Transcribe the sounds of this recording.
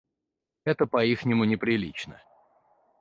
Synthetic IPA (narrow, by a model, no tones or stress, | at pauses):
ɛt̪əpɐixnʲɪmʊnʲɪpɾʲɪlʲit͡ɕnə̰